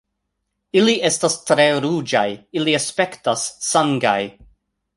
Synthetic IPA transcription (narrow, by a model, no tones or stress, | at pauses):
iliʔestastɾe̞ɾud͡ʒajiliaspe̞ktasːaŋɡaj